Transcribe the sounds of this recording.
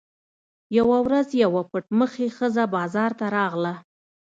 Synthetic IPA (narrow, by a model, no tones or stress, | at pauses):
jawawɾazjawapʊʈməxexəzabɑzɑɾt̪aɾɑɣla